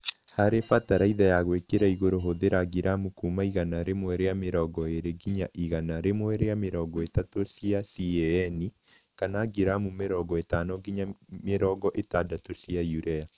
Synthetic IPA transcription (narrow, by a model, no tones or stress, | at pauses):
haɾefataɾaiðajaɣwekeɾaiɣoɾoɦoðeɾaɡiɾʔamukumaiɣanaɾemwɛɾeameɾɔɡɔeɾeɡiɲaʔiɣanaɾemwɛɾeameɾɔɡɔetatosiasiɛɛni | kanaɡiɾamumeɾɔɡɔetaːnɔɡiɲameɾɔːɡɔʔetadatosijajuɾɛa